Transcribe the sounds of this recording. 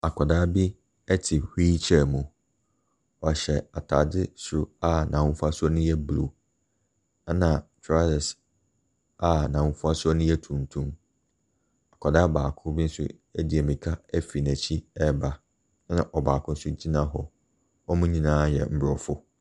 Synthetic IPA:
a˨kʰɔ˨daː˦bi˦ | ɛ˦tʰɪ˨hiː˦t͡ɕʰɛ˨mũ˨ | ɔ˨ɕɛ˨a˨tʰa˨dɪ˦sʊ˨a˦nã˨wʊ̃˦fʊ˦a˦sʊ˦ɔ˦nʊ̃˦jɛ˦blo˨˦ | nã˨tʰɾa˦lɛ˨s | a˨nã˨wʊ̃˦fʊ˦a˦sʊ˦ɔ˦nʊ̃˦jɛ˦tʰũ˨n˨tʰũ˦m | a˨kʰɔ˨daː˦baː˨kʰʊ̃˦bɪ˦n̩˦sʊ̰˦ | ɛ˦dɪ˨ɛ˨mĩ˨kʰa˦ɛ˦fi˨næ̃˨t͡ɕʰi˦ɛ˦ba˨˦ | nã˨ʔɔ˨baː˨kʰʊ̃˦n̩˦sʊ˦d͡ʑi˦nã˦ɦɔ˨ | ɔ˦mũ˦ɲĩ˨nãː˦jɛ̰˨m̩˦bɾɔ˨fʊ˦

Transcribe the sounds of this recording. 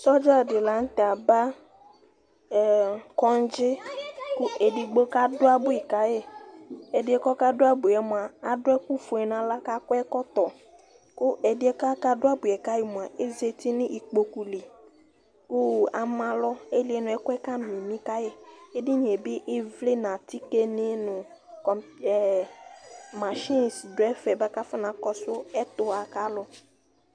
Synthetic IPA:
sɔ˦d͡ʒa˦˨dɪ˨la˨ŋ̩˦t̪e˨a˨ba˦˨ | kɔ˦n˦d͡ʒɪ˦kʊ˦e˨di˨ɡ͡bo˦ka˦dʊ˦a˦bʊ˦e˨ka˦je˦ | e˨dɪ˨˦ɛ˦kɔ˦ka˦do˦a˦bu˨ɛ˨mõ˨a˨a˨dʊ˦ɛ˦ku˦fo˨ɛ˨nã˨la˦ka˦kɔ˦ɛ˦kɔ˦t̪ɔ˨ | kʊ˦e˨dɪ˦ɛ˦ka˦ka˦dʊ˦a˦bʊ˨e˨ka˦je˨mũ˨a˨e˦ze˦t̪i˦nĩ˦ʔi˨k͡po˨ku˨le˨ | kʊ˦a˨mã˦lɔ˦e˦lɪ˦ɛ˦nʊ̃˨ɛ˦kʊ˦ɛ˦ka˦mĩ˨mĩ˦ka˦jɛ˦e˦dɪ˦ɲ˨e˨bɪ˦ʔɪ˦vle˦nã˨ti˦ke˦nɪ˦nʊ̃˨ | kɔ˨mɛ˨ | ma˨ʃɪ̃˦˨sdʊ˨ɛ˦fɛ˨ba˦ka˦fa˦nã˨kɔ˦sʊ˦ɛ˦t̪ʊ˨a˨ka˦lɔ˦

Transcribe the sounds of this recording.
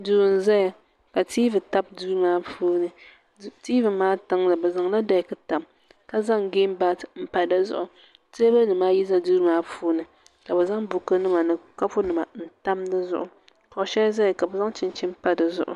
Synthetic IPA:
duː˨n˨za˦ja˨ | ka˨tiː˦vɨ˨ta˦b̚duː˦ɾmaː˦puː˦nɨ˨ | tiː˦vɨ˨maː˦tɨ˦ŋlɨ˨bɛ˨za˨ŋla˦da˨kɨ˦ta˨m | ka˨za˦ŋɡeː˦m˦ba˦tɨ˨m̩˦˨pa˨dɨ˦zʊ̰˦ʔʊ˨ | te˦ba˦nɨ˨maː˦ji˦za˦duː˦ɾmaː˦pʰuː˦nɨ˨ | ka˨bɛ˨za˦ŋbu˨kɨ˦nɨ˦ma˨nɨ˨ka˦pʊ˦nɨ˨ma˨n̩˨ta˦mdɨ˦zʊ̰˦ʔʊ˨ | kɔ˨ʃɛ˦za˦ja˨ka˨bɛ˨za˦ŋ˦t͡ʃɪ˦n˦t͡ʃɪ˦m˦pa˦dɨ˨zʊ̰˦˨ʔʊ̰˨

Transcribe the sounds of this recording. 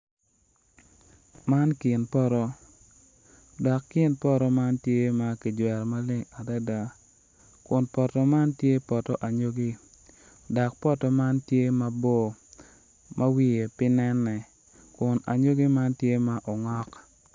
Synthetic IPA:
ma˦nkɪ˨npɔ˦ɾɔ˦ | dɔ˨kːɪ˦npɔ˦ɾɔ˦ma˦ntje˦ma˨ki˨d͡ʒwɛ˨ɾma˦lɪ˦ŋa˨da˦da˨ | kʊ˨npɔ˨tɔ˨ma˦ntje˦pɔ˨tɔ˦ʔa˨ɲo˦ɡi˦ | dɔ˨k̚pɔ˦tɔ˨ma˦ntje˦ma˦bo˦ | mʔa˦wi˦je˨pɪ˦nɛ˦nːɛ˨ | kʊ˨na̰˨ɲo˦ɡi˦ma˦ntje˦ma˦ʔɔ˨ŋɔ˦k

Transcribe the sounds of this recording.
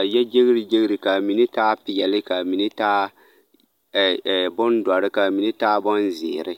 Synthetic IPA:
a˨jɛ˦d͡ʒe˦ɣɾi˨d͡ʒe˦ɣɾi˨ka˨mi˨nɪ˦taː˦pɪ˨jɛ˨lɪ˦ka˨mi˨nɪ˦taː˦˨ | bʊ˦ndɔ˨ɾɪ˦ka˨mi˨nɪ˦taː˦bɔ˦nzɪ˨ɾɪ˦

